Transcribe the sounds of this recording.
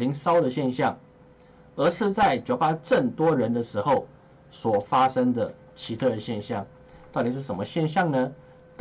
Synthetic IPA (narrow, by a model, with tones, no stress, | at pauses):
li˧˥ŋsɑ˥ʊd̪ə˨ɕjɛ˥˧nɕjɑ˥˩ŋ | ə˧˥ʂɻ̩˥˧t͡sa˥˩ɪt͡ɕjo˨˧˩ʊpa˥ʈ͡ʂə˥˩ŋt̪wɔ˥ɻə˧˥nd̪ə˧ʂɻ̩˧˥xo˥˩ʊ | swɔ˨˩fa˥ʂə˥ŋd̪ə˨˩ | t͡ɕʰi˧˥t̪ʰɤ˥˩ɾə˩ɕjɛ˥˧nɕjɑ˥˩ŋ | t̪ɑ˥˩ʊt̪i˨˩ʂ̬ɻ̩˥˩ʂə˧˦mə˧ɕjɛ˥˧nɕjɑ˥˩ŋnə˧ | t̪